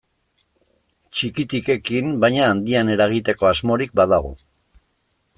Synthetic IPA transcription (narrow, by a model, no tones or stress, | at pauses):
t͡ʃikit̪ike̞kimbajɲaːnd̪iane̞ɾaɣ̞it̪e̞ko̞azmo̞ɾik̚baðaɣ̞o̰